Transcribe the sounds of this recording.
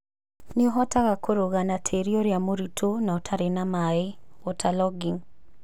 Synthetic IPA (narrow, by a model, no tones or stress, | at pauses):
nɪɔɦɔtaɣakʰoɾoɣanatʰeɾioɾjamoɾitʰonaotʰaɾenamaeotʰalɔɡiŋ